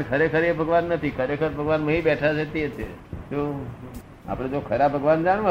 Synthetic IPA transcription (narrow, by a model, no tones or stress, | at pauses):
əɳkʰəɾekʰəɾebʱəɡʋanːət̪ʰikʰəɾekʰəɾbʱəɡʋanmə̃ɦibɛʈʰat͡ʃʰet̪et̪et̪o | a̰pɽ̃ed͡ʒokʰəɾabʱəɡʋand͡ʒaɽ̃ʋa